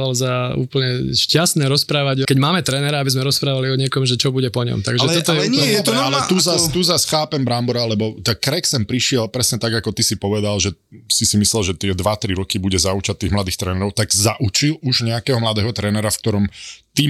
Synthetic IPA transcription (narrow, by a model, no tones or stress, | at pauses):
alzaṵːpl̩ɲɛʃcast̪nɛɾɔspɾaːʋaɟkɛɟmaːmɛt̪ɾɛːnɛɾaabizmɛɾɔspɾaːʋaliɔɲɪɛkɔmʒɛt͡ʃɔbuɟɛpɔɲɔ̰mt̪a̰ɡʒɛt̪ɔt̪ɔjɛɛalɛt̪uzast̪uzasxaːpɛmbɾambɔɾalɛbɔt̪akːɾɛksɛmpɾiʃɪɛlpɾɛsɲɛt̪aɡakɔt̪isipɔʋɛd̪alʒɛ | sisimislɛlʒɛt̪ɪɛd̪ʋat̪ɾiɾɔkibuɟɛzaut͡ʃat̚t̪ːiːɣmlad̪iːxt̪ɾɛːnɛɾɔʊt̪aɡzaʔut͡ʃiluʒɲɛakɛːɦɔmlad̪ɛːɦɔt̪ɾɛːnɛɾafkt̪ɔɾɔmt̪i